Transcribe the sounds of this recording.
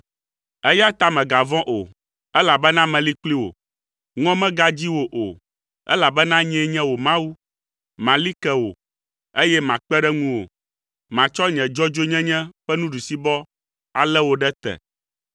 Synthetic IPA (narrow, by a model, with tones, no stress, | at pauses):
ɛ˦ja˦t̪a˨mɛ̃˨ɡa˨vɔ̃˦ʔo˨ | ɛ˦la˨bɛ˦nã˦mɛ̃˨li˦k͡pli˦wo̰˨ | ŋɔ̃˦mɛ̃˦ɡa˦d͡ʑi˦wo˨ʔo̰˨ | ɛ̰˦la˨bɛ˦nã˦ɲɛ̃˦ɲɛ̃˦wo˨mã˦wu˦ | mã˨li˦kɛ˨wo˨ | e˦jɛ˦mã˨k͡pɛ˦ɖɛ˦ŋũ˦wo̰˨ | mã˨t͡ʃɔ˦ɲɛ̃˨d͡ʒɔ˦d͡ʒo˦ɲɛ̃˦ɲɛ̃˦ɸɛ˦nũ˦ɖu˨si˦bɔ˦ | a˨lɛ˦wo˨ɖɛ˦t̪ɛ̰˨